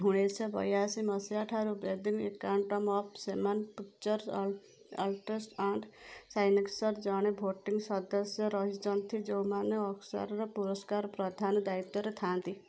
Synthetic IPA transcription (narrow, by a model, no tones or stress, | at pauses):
ɦuɽ̃esʰɔbɔ̰jasimɔsaʈʰaɾubɾed̪iŋḛkawɳʈɔmɔp̚ʰsemanpikt͡ʃɔɾ | ɔ̰lʈesʈaɳɖsajneksɔɾd͡ʒaɽ̃ebʱoʈiŋɡsɔd̪ɔsjɔɾɔɦit͡ʃɔnt̪ʰid͡ʒewmaneɔksa̰ɾɾɔpuɾɔskaɾpɾɔd̪ʱand̪ait̪ːɔɾet̪ʰãnt̪i